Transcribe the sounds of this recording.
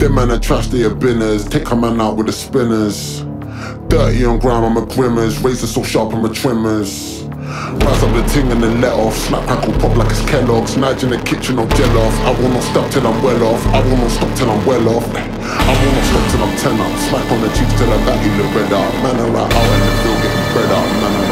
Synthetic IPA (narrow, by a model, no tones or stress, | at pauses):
ð̥ɛ̃mãnətʰɹ̥astəjəbɪnəz̥tʰeɪkʰəmãnaʊʔwɪðəspɪ̃nəz̥ | d̥ɜˑ˞ʔɪə̃nɡɹãʊ̃mãməɡɹɪ̃məzɹeɪzəsɔʃɑpə̃mətʰɹ̥ɪ̃məz̥ | ɹasãɪ̃mðətʰɪ̃ŋə̃nəlɛʔɔfsmak̚pʰɹ̥akəlˠpʰɹ̥ɔbilaɪkəskʰɛlɔɡsmad͡ʒɪ̃nəkʰɪt͡ʃə̃nɔfd͡ʒɛlɔfaɪwɪlˠnɔtstɔp̚tʰɪlãɪ̃mwɛlɔfaɪwɪlˠnɔtstɔp̚tʰɪlãɪ̃mwɛlɔf | aɪwɪlˠnɔtstɔp̚tʰɪlãɪ̃mtʰɛl̃ŋãɪ̃smaknmət͡ʃʰistʰɛlaɪbaʔilɪk̚b̥ɹɛdaʊʔmãnəɹa̰ɪʔa̰ʊə̃nəbɪlˠɡɛʔmbɹɛdaʊʔmãnə